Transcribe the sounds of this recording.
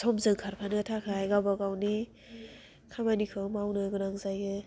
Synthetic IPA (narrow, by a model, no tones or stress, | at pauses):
tʰɔmzɯŋkʰaɾpʰanɯtʰakʰajɡabaɡawni | kʰamanikʰɯmawnɯɡunaŋzajɯ